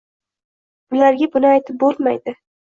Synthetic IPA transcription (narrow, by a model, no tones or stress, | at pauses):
ʊlaɾɡʲabʊnɪajt̪ʰɪp̚bolˠmajd̪ɪ